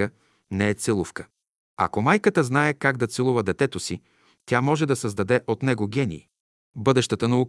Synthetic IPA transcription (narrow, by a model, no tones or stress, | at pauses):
ə | nɛɛt̪sɛlˠufkə̥ | ɐ̰komajkət̪əznaɛkaɡ̚d̪ɐt̪sɛlˠuvəd̪ɛt̪ɛt̪osi | t̪ʲjamɔʒɛd̪ɐsəzd̪ɐd̪ɛʔot̪nɛɡoɡʲɛnḭː | bɤd̪ɛʃt̪ət̪ənɐu